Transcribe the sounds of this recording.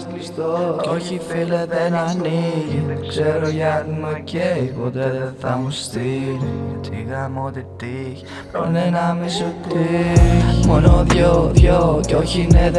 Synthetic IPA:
sist̪ooçifileðenaniʝiðekseɾoʝanumeceipot̪eðθɐmust̪i | t̪ḭɣɐmot̪it̪iç | pɾonenamisoti | monoðʝoðʝoceoçineð

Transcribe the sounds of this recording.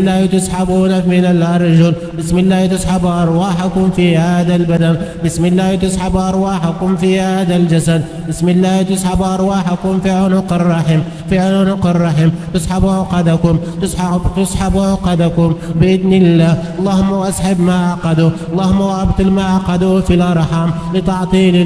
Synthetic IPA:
lːaːht̪ʊsħabuːnamɪnalʔɑɾˤd͡ʒʊl | bɪsmɪlːaːht̪ʊsħabʔɑɾˤwaːħakʊmfihaːd̪albad̪anbɪsmɪlːaːht̪ʊsħabʔɑɾˤwaːħakʊmfihaːd̪ald͡ʒasad̪ | bɪsmɪlːaːht̪ʊsħabʔɑɾˤwaːħakʊmfiʕʊnʊqɪrˤːɑħim | fiʕʊnʊnʊqɪrˤːɑħimt̪ɪsˤħabʕʊqɑd̪akʊm | t̪ʊst̪ʊsˤħabʕʊqɑd̪akʊmbɪʔɪd̪nɪlːaːʔɑlˤːɑːhʊmːawʔasħabmaʔaʕqɑd̪uʔɑlˤːɑːhʊmːawʕabt̪lmaʔaʕqɑd̪ufilʔɑɾˤħamlɪt̪ɑʕt̪ˤiːl

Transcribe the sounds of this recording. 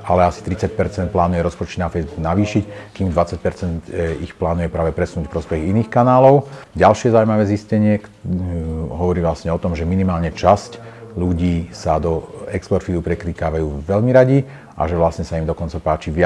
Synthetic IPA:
alɛasi̥t̪ɾit͡sac̚pɛɾt͡sɛnt̪̚plaːnujɛɾɔspɔt͡ʃɛd̪nafɛjzbuknaʋiːʃickiːmd̪ʋat͡sac̚pɛɾt͡sɛnt̪ixplaːnujɛpɾaːʋɛpɾɛsunuːcpɾɔspɛɣiniːxkanaːlɔʊɟalʃɪɛzaumaʋɛːziscɛɲɪɛk | ɦɔʋɔɾiːʋlasɲɛɔt̪ɔmʒɛminimaːlɲɛt͡ʃascʎuɟiːsad̪ɔɛkspɔɾt̪fid̪upɾɛkliːkaːʋajuːʋɛʎmiɾaɟi | ʔa̰ʒɛʋlasɲɛsaimd̪ɔkɔnt͡sapaːt͡ʃiʋɪa

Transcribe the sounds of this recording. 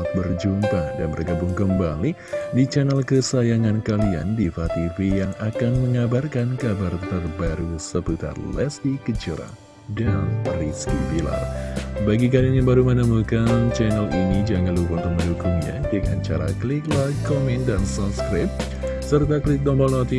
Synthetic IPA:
at̪̚bərd͡ʒumpada̰nbərɡabʊŋkəmbali | dit͡ʃɛnɛlkəsajaŋankalia̰ndifat̪ivijaŋakanməŋabarkankabart̪ərbaɾusəput̪a̰rlɛsdikəd͡ʒəɾa̰ | danriskibila̰rbaɡik̬alianjaŋbaɾumənəmukant͡ʃɛnəlʔinid͡ʒaŋalupaunt̪ʊk̚məndukʊŋɲa̰dəŋa̰nt͡ʃa̰ɾa̰klɪk̚lakomɛndansɔpskɾɪp̚ | sərt̪aklɪk̚dɔmbɔlnot̪i

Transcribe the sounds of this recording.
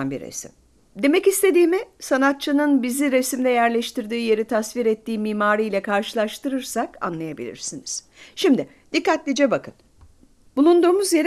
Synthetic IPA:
nbḭɾḛsḭm | d̪e̞mɛcist̪ʰe̞d̪iːmisanat̪̚t͡ʃʰanɯnbiziɾe̞simd̪ɛjæɾlʲɛʃt̪iɾd̪iːje̞ɾit̪ʰasviɾɛt̪ʰːiːmiːmaːɾijlʲɛkʰaɾʃɯlˠaʃɯt̪ʰɯɾɯɾsaka̰nlˠajabḭlʲḭɾsiniz̥ | ʃimd̪ɪ | d̪̥ikːat̪lʲid͡ʒɛbakʰɯn | b̥ulˠund̪uːmuzjeɾ

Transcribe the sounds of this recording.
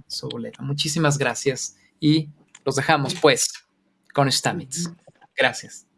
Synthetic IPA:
soβolet̪amut͡ʃis̬imazɣɾasjas | i | lo̞zðe̞xamo̞spwes | ko̞nest̪amit̪s | ɡ̥ɾasjas

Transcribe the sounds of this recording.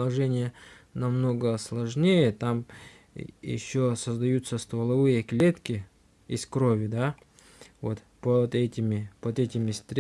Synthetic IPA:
ɐʐɛnʲɪjə | nɐmno̞ɡəslˠɐʐnʲejət̪am | jɪ̰ɕːosəzd̪ɐjut̪səst̪vəlˠɐvɨjəklʲet̪kʲɪ | ɪskɾovʲɪd̪a | vot̪ | pod̪ɛtʲɪmʲɪpod̪ɛtʲɪmʲɪst̪ɾʲ

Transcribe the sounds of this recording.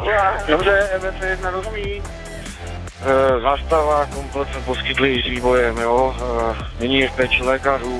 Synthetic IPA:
dobrɛvɛsɛjɛd̪nanoɦviː | zaːst̪avakomplɛt̪smɛposkɪt̪lɪɪzviːvojɛmjoː | nɛɲiːɛfpɛːt͡ʃɪlɛːkaɾuː

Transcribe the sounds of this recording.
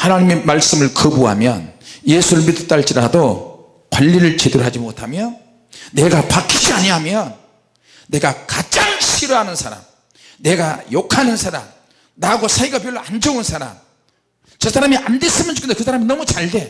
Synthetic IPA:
hanaɲimemaɭs͈ɯmɯɭkɯbuɦa̰mjʌ̰njesʰuɾɯɭmidɯt͈aɭt͡ɕ͈iɾado | kwaʎːiɾɯɭt͡ɕedoɾɦad͡ʑimotʰamjʌ | ne̞ɡapakʰid͡ʑiaɲiɦamjʌnː | e̞ɡakad͡ʑaŋɕʰiɾʌɦanɯnsʰaɾa̰m | ne̞ɡajokʰanɯnsʰaɾa̰m | naɡosʰaiɡapjoɭːoand͡ʑʌunsʰaɾa̰m | t͡ɕesʰaɾamiʔande̞s͈ɯmjʌnt͡ɕukʰːnd̪ekɯs̬ʰaɾaminʌmut͡ɕaɭde̞

